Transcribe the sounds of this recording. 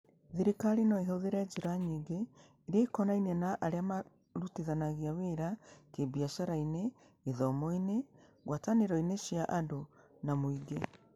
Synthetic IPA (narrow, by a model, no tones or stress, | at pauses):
ðiɾikaɾinɔeɦoðeɾɛd͡ʒeɾaɲiːŋɡeː | ɾeaikɔnainɛnaʔaɾeama | ɾuteðanaɣiaweɾakebiaʃaɾaineː | ðɔmɔineɣwataneɾɔineʃiaʔadonamoiɡe